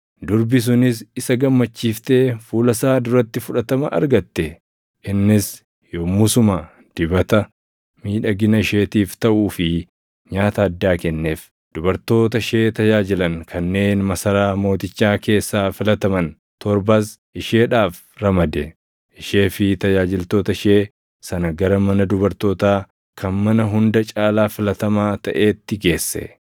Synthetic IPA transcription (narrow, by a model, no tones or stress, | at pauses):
d̪ʊɾbɪs̬ʊnɪsɪsɐɡɐmːɐt͡ʃːiːft̪e̞ːfuːlɐsaːd̪ʊɾɐt̪ːɪfʊᶑɐt̪ɐmɐʔɐ̰ɾɡɐt̪ːɛ | ʔɪnːɪs | joːmʊsʊmɐ | d̪̥ɪbɐt̪ɐ | miːᶑɐɡɪnɐʃe̞ːt̪iːft̪ɐʔuːfɪ | ɲaːt̪ɐːd̪ːaːkɛnːe̞ːf | d̪̥ʊbɐɾt̪o̞ːt̪ɐʃe̞ːt̪ɐjaːd͡ʒɪlɐŋkʰɐnːe̞ːnmɐsɐɾaːmo̞ːt̪ɪt͡ʃːaːke̞ːsːaːfɪlɐt̪ɐmɐn | t̪ɔɾbasʔɪʃe̞ːᶑaːf | ɾɐmɐd̪ɛ | ʔɪʃe̞ːfɪt̪ɐd͡ʒaːd͡ʒɪlt̪o̞ːt̪ɐʃe̞ː | sɐnɐɡɐɾɐmɐnɐd̪ʊbɐɾt̪o̞ːt̪aː | kʰɐnmɐnɐɦʊnd̪ɐt͡ʃʼaːlaːfɪlɐt̪ɐmaːt̪ɐʔe̞ːt̪ːɪɡe̞ːsːɛ̰